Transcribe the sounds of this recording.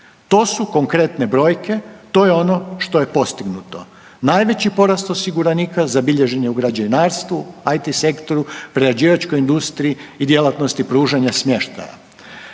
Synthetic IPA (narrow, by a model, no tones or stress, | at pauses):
t̪o̞ːsuko̞ŋkɾe̞t̪ne̞bɾo̞ːjke̞t̪o̞je̞o̞no̞ʃt̪oje̞po̞st̪iɡnut̪o̞ | naːjʋe̞t͡ɕipo̞ɾast̪o̞siɡuɾanikazabiʎe̞ʒe̞ɲeuɡɾad͡ʑainaːɾst̪ʋuajt̪ise̞kt̪o̞ɾupɾead͡ʑiːʋat͡ʃko̞jind̪ust̪ɾiiːd̪je̞lˠat̪nost̪ipɾuːʒaɲasmje̞ʃt̪a̰ja̰